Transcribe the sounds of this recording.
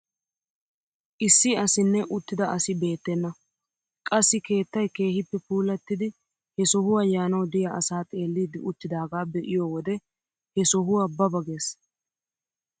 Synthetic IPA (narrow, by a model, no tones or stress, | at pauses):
ʔɪsːɪɐsɪnːɛʔʊt̪ːɪd̪ɐɐsɪbe̞ːt̪ːɛnːɐ | kʼɐsːɪke̞ːt̪ːɐjke̞ːhɪpːɛpuːlɐt̪ːɪd̪ɪ | hɛsɔhʊwɐjaːnɐwd̪ɪjɐʔɐsaːt̪ʼe̞ːlːiːd̪ɪʔʊt̪ːɪd̪aːɡaːbɛʔɪjoːwɔd̪ɛ | hɛsɔɦʊwabɐbɐɡe̞ːs